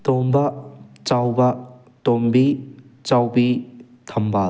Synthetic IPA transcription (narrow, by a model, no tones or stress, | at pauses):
t̪omba | t͡ʃawba | tombi | t͡ʃawbi | t̪ʰɐmba